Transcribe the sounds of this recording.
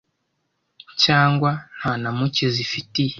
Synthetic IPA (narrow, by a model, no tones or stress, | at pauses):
caːŋɡwan̥hanamucizifitij